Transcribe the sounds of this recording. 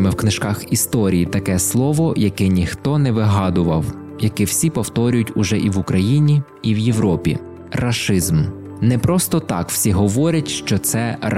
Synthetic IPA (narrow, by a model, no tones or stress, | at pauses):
mɪwknɪʃkɑxist̪ɔɾʲijit̪ɐkɛslˠɔʋɔjɐkɛnʲixt̪ɔnɛʋɪɦɑd̪ʊʋɐw | jɐkɛwsʲipɔwt̪ɔɾʲʊjʊtʲʊʒɛʔiʋʊkɾɐjinʲiː | wjewɾɔpʲḭ | rɐʃɪzm | nɛpɾɔst̪ɔt̪ɑ̰kw̥sʲiɦɔʋɔɾʲɐtʲʃt͡ʃɔt̪sɛ